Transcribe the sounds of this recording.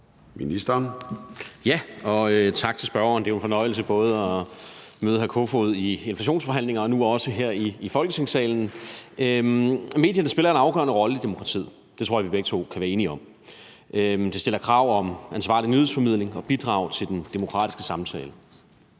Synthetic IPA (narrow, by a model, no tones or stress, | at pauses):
minisd̥ɐn | jæɒ̽øt͡sʰɑ̈ɡ̥t͡sʰe̝sb̥ɶɐɐːnd̥e̝æʊe̝nfɒ̽nɒ̽ɪ̰l̩səb̥ɔ̽ːð̞ˠɒmøːðˠəɦæɐkʰo̝foð̩ˠie̝nflæɕ̬o̝̰ːnsfɒ̽ɦæn̰le̝ŋɐɒ̽nuɒ̽səɦeɐ̰iːfɒ̽lɡ̥ət͡sʰe̝ŋsɛ̰ːln̩ømme̝̰ːd̥jɐnəsb̥e̝lɐe̝nɑ̈ʊɡ̥ɶ̰ɐnəʁɒ̽ləid̥e̝mo̝kʰʁɑ̈t͡sʰḭð̩̰ˠ | d̥e̝t͡sʰʁoɐ̰ʋibeɡ̥̚t͡sʰo̝̰kʰæʋæɐe̝ːniɒ̽m | ʔød̥e̝sd̥e̝lɐkʰʁɑ̈ʊ̰ɒ̽mænsʋɑ̰̈ːlinyðð̩ˠsfɒ̽mið̞̰ˠle̝ŋɒ̽b̥id̥ʁɑ̰̈ːʊt͡sʰe̝ld̥end̥emo̝kʰʁɑ̈ːd̥isɡ̥əsɑ̈mt͡sʰɛ̰ːlə